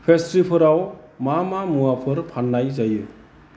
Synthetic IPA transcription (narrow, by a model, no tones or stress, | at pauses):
pʰestɾipʰɯɾawmamamuapʰɯɾpʰanːajzajɯ